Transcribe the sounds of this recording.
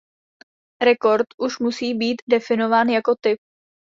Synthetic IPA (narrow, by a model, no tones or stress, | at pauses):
ɾɛko̞ɾt̪ʔuʃmusiːbiːt̪dɛfɪno̞vaːnjako̞t̪ɪp̚